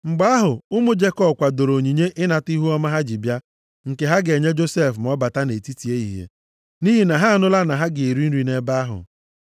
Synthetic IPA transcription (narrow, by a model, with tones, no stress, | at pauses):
ŋ͡m̩˨ɡ͡ba˦a˦ɦʊ˨ʊ˦mʊ˦d͡ʒe˦kɔ˦˨kʷa˨do˨ɾo˨ɲi˨ɲe˦ʔɪ˦na˨ti˦ɦu˦ɔ˦ma˦ɦa˦d͡ʒɪ˨bja˦ | ŋ̩˨ke˨ɦa˦ɡe˨ɲe˦d͡ʒo˦se˦˨fm˨ɔ˦ba˨ta˦ne˨ti˦ti˨e˦ḭ˨ɦḛ˨ | ni˦ɦi˨na˨ɦa˦a˨nʊ˦la˦na˨ɦa˦ɡɪ˨i˨ɾi˦n̩˦ɾi˨ne˦ba˦a˦ɦʊ̰˨